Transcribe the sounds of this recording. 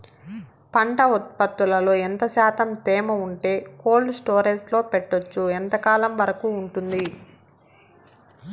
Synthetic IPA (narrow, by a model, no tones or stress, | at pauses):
pɐɳʈɐut̪̚pɐt̪ːulɐlo̞ːɛnt̪ɐʃaːt̪ɐmt̪ɛːmɐuɳʈe̞ːko̞ːlɖsʈo̞ːɾeslo̞ːpɛʈːot͡ʃːuɛnt̪ɐkaːlɐmʋɐɾɐkuːɳʈund̪i